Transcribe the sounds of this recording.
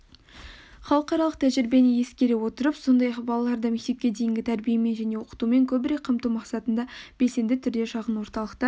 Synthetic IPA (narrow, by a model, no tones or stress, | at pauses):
χɑlˠəqɑɾɑlˠəq̚t̪ʰæʒɪɾbe̞nɪje̞skʲe̞ɾewo̞t̪əɾəpso̞nd̪ɑjɑqbɑlˠɑlˠɑɾd̪ɑme̞k̚t̪e̞p̚kʲe̞d̪e̞jɪŋɡʲɪt̪ʰæɾbijeme̞nʒæne̞wo̞qə̥t̪ume̞ŋkʲʰɵbɪɾe̞k̚qʰːəmt̪umɑqsɑt̪ənd̪ɑb̥e̞lse̞nd̪ɪt̪ʰʏɾd̪e̞ʃɑʁənwo̞ɾt̪ɑlˠəqt̪ə